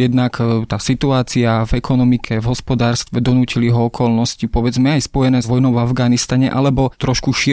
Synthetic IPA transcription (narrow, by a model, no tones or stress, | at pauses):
ɛd̪nakt̪aːsit̪uaːt͡siavɛkʰɔnɔmikʰɛvɦɔspɔd̪aːɾst̪ʋɛd̪ɔnuːciliɦɔɔkʰɔlnɔscipɔʋɛd͡zmɛajspɔjɛnɛːzʋɔjnɔʊvavɡaːnist̪aɲɛ̰ʔalɛbɔt̪ɾɔʃkuʃi